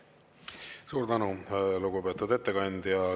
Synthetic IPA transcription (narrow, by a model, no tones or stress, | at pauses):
suːɾd̪ænuluɡupe̞ːt̪ːˑud̪e̞t̪ːekɑnʲd̪jɑ